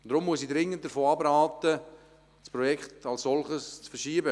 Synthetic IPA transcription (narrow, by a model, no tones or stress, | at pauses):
d̥ɾʊmːuəsidɾɪŋənt̚d̥əfoːɑbɾaːtə | spɾɔjɛkχtɑlssɔlχəst͡sfəʃiːəbə